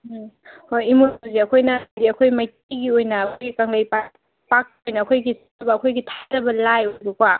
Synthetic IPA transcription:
hojimoziɐkʰojnadiɐkʰojmɐjt̚iɡiojnɐːkʰojɡikɐŋlajp | pak̚ojnɐːkʰojɡis | ɐbɐːkʰojɡitʰaɾɐbɐlajojbɐkwa

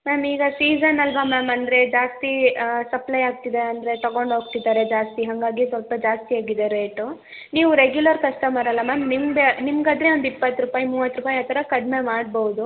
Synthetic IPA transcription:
mɛːmiːɡɐsiːd͡ʒɐnɐlʋɐmɛːmɐnd̪ɾe̞d͡ʒaːst̪isɐplɐjaːɡ̚t̪id̪eɐnd̪ɾe̞t̪ɐɡo̞ɳɖɦoːɡ̚t̪id̪aːɾed͡ʒaːst̪iɦɐŋɡaːɡisʋɐlpɐd͡ʒaːst̪iaːɡid̪eɾeːʈu | niːʋuɾeɡjulɐɾkɐʂʈɐmɐɾɐlːɐmɛːmnimɡenimɡaːd̪ɾe̞ond̪ipːɐt̪ːɾupaːjimuːʋɐt̪ːɾupaːjaːt̪ʰːɐɾɐkɐɖ̪me̞maːɖbɐwud̪u

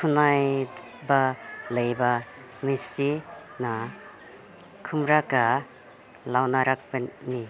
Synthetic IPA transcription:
kʰunaj | baləjba | misina | kʰɯmɾaka | lawnaɾak̚bani

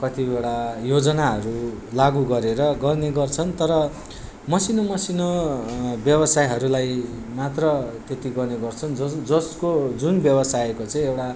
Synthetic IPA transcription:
kʌt̪ibewʈajod͡zʌnaɦʌɾulaɡuɡʌɾeɾʌɡʌrneɡʌrt͡sʰʌnt̪ʌɾʌ | mʌsinʌmʌsinʌ | bjʌbʌsajɦʌɾulaj | mat̪rʌt̪et̪iɡʌrneɡʌrt͡sʰʌnd͡zʌd͡zʌskod͡zunbjʌbʌsaekot͡sʌĩewʈa

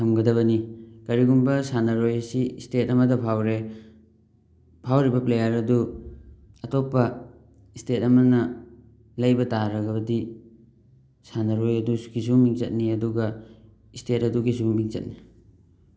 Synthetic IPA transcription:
tʰɐmɡɐdɐβɐnikɐɾiɡunbɐsanɐɾojɐsiistetɐmɐdɐpʰawɾe | pʰawɾibɐplejɐɾɐdu | ɐtopːɐ | istetɐmɐnɐ | lɐjbɐtaɾɐɡɐbɐdi | sanɐɾojɐdukʰis̬uŋmiŋzɐt̚niɐduɡɐ | istetɐduɡiz̬umiŋzɐ̰t̚ni

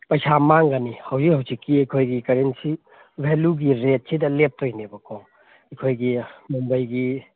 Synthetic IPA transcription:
pɐjsʰamaŋɡanihɐwzihɐwzikːiɐjkʰojɡikɐɾensi | bʱeluɡiɾet̚sʰidɐlep̚tojnebɐkʰɔŋ | ɐjkʰojɡimumbɐjɡi

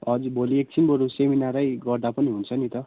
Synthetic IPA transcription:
ʌd͡zubʱoliek̚sʰinbʌɾuseminaɾʌjɡʌrd̪apʌniɦunt͡sʰʌnit̪ʌ

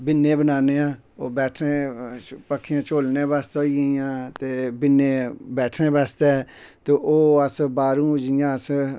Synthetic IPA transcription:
bɪnːẽːbənaːneːãː | oːbɛːʈʰnẽːpəkʰːɪjãːt͡ʃoːlneːbaːst̪oːiəjãːt̪eːbɪnːeːbɛːʈʰnẽːbaːst̪e | t̪eːʔoːəsbaːɾũːd͡ʒɪjãːəs

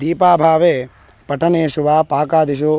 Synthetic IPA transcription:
d̪iːpaːbʱaːʋeː | pɐʈʰɐneːʃuʋaːpaːkaːd̪iʃ̬oː

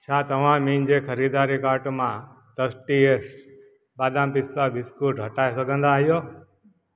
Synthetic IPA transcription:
t͡ʃʰat̪əʋãmind͡ʒekʰəɾid̪aːɾikaːɾʈmã | t̪əsʈiesʈ | baːd̪ãmpɪsabɪskuʈɦəʈaesəɡə̃nd̪aːɦjoː

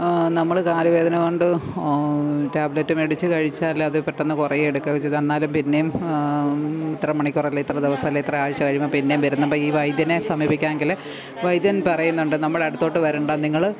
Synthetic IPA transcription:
nɐmːɐɭkaːɾɐʋe̞ːd̪ʱɐnɐko̞ɳɖɨ | taːblɐtːumeɽit͡ɕːɨkɐɻit͡ɕːaːlɐðɨpeʈːonːɨkurɐjeɽukːɐɣt͡ɕːejðenːaːlumpinːe̞jum | it̪ːrɐmɐɳikʲːurɐilːeit̪rɐd̪eʋɐsɐmːilːeit̪rɐaːɻt͡ɕːɐkɐɻijmɐpinːejumʋɐɾunːɐbɐːiːʋɐjd̪jɐne̞sɐmiːbikʲːaːnŋɡile | ʋɐjd̪jɐnpɐrɐjunːuɳɖɨnɐmːɐɭeɐɽut̪ːo̞ːʈːɨʋɐɾuɳɖaːniŋːɐɭ

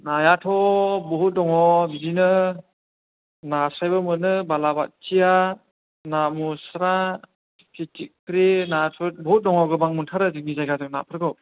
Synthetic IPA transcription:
najatʰɔbɔɦut̚dɔŋɔbidinɯ | nasajbɯmɯnɯbalaba̰t̚t͡ʃija | namusɾa | pʰitikʰɾenatʰut̚bɔɦut̚dɔŋɔɡɯbaŋmuntʰaɾɯzɯknizajɡazɯŋna̰pʰɯɾɡɯ

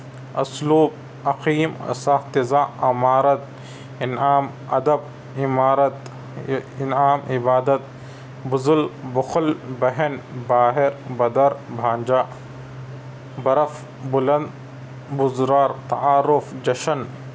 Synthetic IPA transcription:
ɐsluːb | ɐqiːmɐ̰saht̪ɪzaːɐmaːɾɐt̪̚ | ɪnaːm | ɐd̪ɐb̚ | ɪmaːɾɐt̪ | ɪnaːmɪbaːd̪ɐt̪̚ | bʊzʊlbʊxʊlbɐɦɐnbaːɦɪɾbɐd̪ɐɾbʱãːnd͡ʒaː | bɐɾɐf | bʊlɐnd̪ | bʊzɾaːɾt̪ɐaːɾʊfd͡ʒɐʃɐn

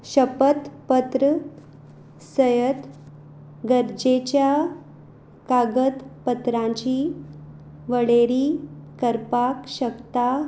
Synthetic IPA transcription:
ɕəpət̪pət̪ɾə | səjət̪ | ɡəɾd͡ʑet͡ɕja | kaɡət̪pət̪ɾãɲt͡ɕi | ʋəɭeɾikəɾpakɕəkt̪a

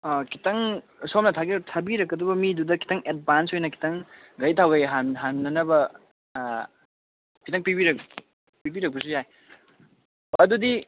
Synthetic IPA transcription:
kʰitɐŋ | somnɐtʰaɡitʰabiɾɐkːɐdubɐmidudɐkʰi̥tɐŋet̚bansojnɐkʰi̥tɐŋ | ɡɐjtʰawɡɐjɦaɦannɐnɐbɐ | kʰitɐŋpibiɾɐk̚ | pibiɾɐk̚pɐs̬ujaj | ɐdudi

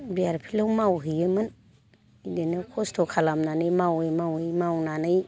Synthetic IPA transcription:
bijaɾpʰilawmawɦɯjɯmɯn | idenɯkʰɔstʰokʰalamnanɯjmawejmawɯjmawnanɯj

